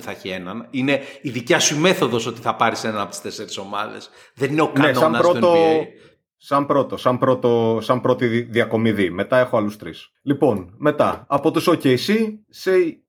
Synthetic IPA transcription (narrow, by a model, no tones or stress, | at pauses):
θɐeçienɐnine̞iðicɐsuime̞θo̞ðo̞so̞t̪i̥θɐpɐɾisenɐnɐpo̞t̪i̥st̪eseɾiso̞mɐ̰ðḛs | ðenineoknɐnessɐmnɐpɾot̪o | sɐmpɾo̞t̪osɐmpɾo̞t̪osɐmpɾo̞t̪iðiɐko̞miðime̞t̪ɐe̞xo̞ɐlust̪ɾis | lipo̞nme̞t̪ɐ̰ɐpo̞t̪usoceisisei